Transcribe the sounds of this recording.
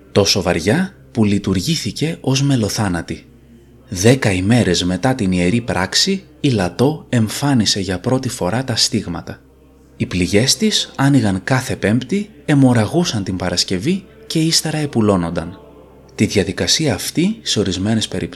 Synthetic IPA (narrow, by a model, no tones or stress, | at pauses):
t̪o̞so̞vɐ̰ɾʝɐ | pulit̪uɾʝiθice̞ʔo̞zme̞lo̞θɐnɐt̪i | ðe̞kɐime̞ɾe̞zme̞t̪ɐt̪inie̞ɾipɾɐksiː | lɐt̪o̞e̞ɱfɐnise̞ʝɐpɾo̞t̪ifo̞ɾɐt̪ɐst̪iɣmɐt̪ɐ | ipliʝe̞st̪isɐniɣɐŋkɐθe̞pe̞mpt̪i | e̞mo̞ɾɐɣusɐnt̪impɐɾɐsce̞vi | ce̞ist̪e̞ɾɐe̞pulo̞no̞nd̪ɐn | t̪iðʝɐðikɐsiɐːft̪iseo̞ɾizme̞ne̞spe̞ɾip